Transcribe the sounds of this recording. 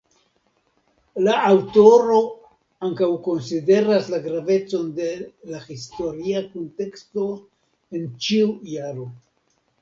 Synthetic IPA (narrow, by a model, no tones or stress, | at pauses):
laʔawto̞ɾo̞ | aŋkawko̞nside̞ɾaslaɡɾave̞t͡so̞nde̞lahisto̞ɾiakonte̞ksto̞ | e̞nt͡ʃiujaɾo̞